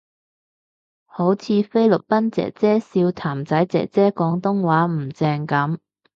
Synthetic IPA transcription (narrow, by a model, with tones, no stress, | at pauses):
ho˨˥wt͡sʰiː˨˧fe˥jlʊ˨k̚pɐ˥nt͡sɛ̰ː˨˩k̚t͡sɛː˥siː˧wt̪ʰaː˨˩mt͡sɐ˨˥jt͡sɛ̰ː˨k̚t͡sɛː˥kɔː˨˥ŋt̪ʊ˥ŋwaː˨˥m̩˨˩t͡sɛː˧ŋkɐ˨˥m